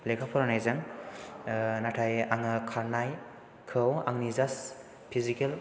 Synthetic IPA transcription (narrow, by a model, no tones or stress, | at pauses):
blekʰapʰɔɾnajzaŋ | natʰajaŋɯkʰaɾnaj | kʰɯwa̰ŋnizas | pʰizikel